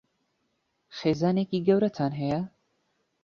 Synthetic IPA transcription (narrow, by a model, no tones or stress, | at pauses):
xeːzaːneːkiːɡɐwɾɐt̪ʰaːnɦɛjɐ